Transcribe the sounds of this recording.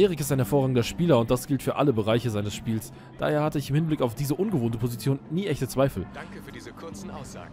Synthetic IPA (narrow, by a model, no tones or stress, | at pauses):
ʔeːʁɪkɪstaɪnhɛɐfoːɐʁaːɡŋ̩dɐʃpiːlɐʊnt̚d̥asɡ̥ɪltfyːɐʔa̰ləbəʁaɪçəzaɪnəsʃpiːls | d̥a̰ːheːɐhatəɪçɪmhɪnblɪkaʊfd̥iːzəʔʊnɡəvoːntəpʰozit͡sjoːnːiːʔɛçtət͡sv̥aɪfl̩ | ʊ̰ː